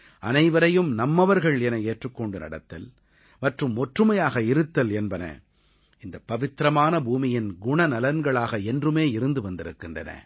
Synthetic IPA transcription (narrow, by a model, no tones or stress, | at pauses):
ʔɐ̰nɐɪʋɐɾɐjɯmnɐmːɐʋɐɾɣɐɭɛnɐeːʈrɯkːɔɳɖɯnɐ̰ɽɐ̰t̪ːɪl | mɐʈrɯmːɔʈrɯmɐjaːɣɐɪɾɯt̪ːɐlɛnbɐnɐ̰ | ɪnd̪ɐpɐʋɪt̪ːɪɾɐmaːnɐbuːmɪjɪnɡʊɳɐnɐlɐnɡɐɭaːɣɐɛndrɯmeːɪɾɯnd̪ɯʋɐnd̪ɪɾɯkːɪndrɐ̰nɐ̰